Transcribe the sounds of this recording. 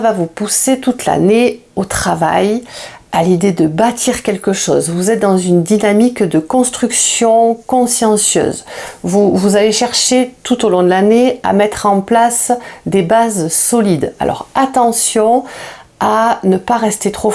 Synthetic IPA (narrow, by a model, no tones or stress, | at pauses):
vavupuset̪ut̪la̰ne | ot̪χava̰jalid̪ed̪əbat̪ʰiʁkʲɛlkəʃɔ̰zvuzɛt̪̚d̪ɑ̃zynd̪inamikd̪əkɔ̃st̪χyksjɔ̃kɔ̃sjɑ̃sjø̰ːzvuvuzaleʃɛʁʃet̪ut̪olɔ̃d̪əlanea̰mɛt̪χɑ̃plasd̪ebazsɔlid̪a̰lʔɔ̰ʁat̪ɑ̃sjɔ̃ | anəpaʁɛst̪et̪χo